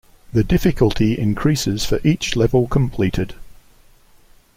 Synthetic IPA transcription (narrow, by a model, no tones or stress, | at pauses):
ðədɪfɪkəlˠtʰiɪ̰̃nkʰɹ̥iˑsɪz̥fəɹʔiˑt͡ʃlɛvəlˠkʰə̃mpʰl̥iˑtʰɪd̥